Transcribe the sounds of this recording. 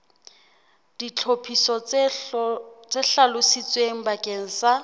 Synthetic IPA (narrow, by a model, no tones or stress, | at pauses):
d̥it͡ɬʰopʰisɔ | t͡sʼɛɬalʊsit͡sʼweŋ̩bakʼeŋ̩sa